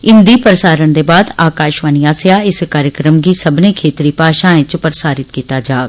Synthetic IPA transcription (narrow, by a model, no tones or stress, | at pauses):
ɪnd̪iːpɾəsaːɾənd̪eːbaːd̪aːkaːʃʋaːniaːsjaːɪskaːɾjəkɾəmɡisəbnẽːkʰeːt̪ɾiːpaːʃãːẽt͡ʃpɾəsaːɾɪt̪kiːt̪aːd͡ʒaːɡ